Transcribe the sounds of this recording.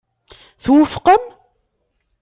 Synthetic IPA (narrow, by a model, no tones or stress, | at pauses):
θwəfqəm